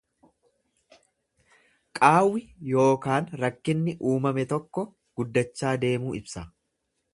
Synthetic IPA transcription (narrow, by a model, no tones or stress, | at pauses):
kʼaːwːɪjo̞ːkaːnɾɐkːɪnːɪʔuːmɐmɛt̪ɔkːɔ | ɡ̥ʊd̪ːɐt͡ʃːaːd̪e̞ːmuːɪbsɐ